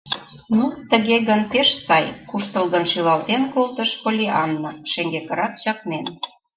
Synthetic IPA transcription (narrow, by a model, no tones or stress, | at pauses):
nut̪ə̆ɣeɣənpeʃsɑjkuʃt̪əlɣə̆nʃylɑlt̪enkolt̪əʃkolʲiʔɑnːɤ̆ʃeŋɡekə̆ɾɑk̚t͡ɕɑknen